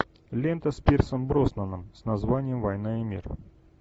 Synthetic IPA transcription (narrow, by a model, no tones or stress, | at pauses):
lʲent̪əspʲersəmbɾosnənəmsnɐzvanʲɪjəmvɐjnaɪmʲḭr